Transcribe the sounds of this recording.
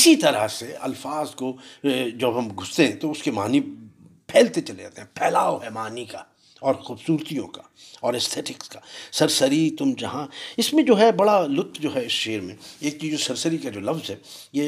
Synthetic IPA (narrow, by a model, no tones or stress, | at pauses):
ɪsit̪ɐɾaseɐ̰lfaːzkod͡ʒɐbɦɐmɡʱʊst̪eɦɛ̃t̪oʊskemaːnipʰɛːlt̪et͡ʃɐled͡ʒa̰ːt̪eɦɛ̃pʰɛːlaːoɦɛmaːnika | ɔːɾxuːbsuːɾt̪ijõkḁ | ɔːɾɛst̪ʰɛːʈɪkskasɐɾsɐɾit̪ʊmd͡ʒɐɦãɪsmẽd͡ʒoːɦɛbɐɽalʊt̪ʰːd͡ʒoːɦɛɪsʃeːɾmẽeːk̚t͡ʃiːd͡ʒosɐɾsəɾikad͡ʒoːlɐfzɦɛːjeː